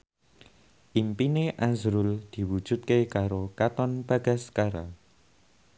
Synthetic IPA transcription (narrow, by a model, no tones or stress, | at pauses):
ʔimpineʔazɾʊld̪̥i̤wu̥ʒ̥ṳt̪̚kekaɾokat̪ɔnb̥a̤ɡ̥a̤skaɾa